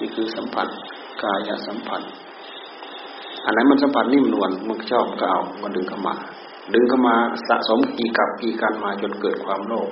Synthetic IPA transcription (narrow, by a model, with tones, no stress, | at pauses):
niː˧˨kʰɯː˧sa˨˦mpʰa̰˧˥n | kaː˧ja̰˧ʔsa˨˦mpʰa˧˥n | ʔa̰˧˨nːa˧˦˥jma˧˥˨nsa˨˦mpʰa˧nːiː˧˥˩m˨nu˧ənmɯ˧˨kʰa˧˩t͡ɕa˧˩˨hka˧˩ʔa˨˩wkɔː˧˦dɯ˨ŋkʰa˧˩wma̰ː˧ | dɯ˧ŋkʰa˧˥˨wmaː˧sa̰˧ʔso˨˦mkiː˨˩ka˧˩p̚kiː˧kaː˧˨nmaː˧t͡ɕo˧˦nkɤː˨˩t̪̚kʰwaː˧˥mloː˥˩k̚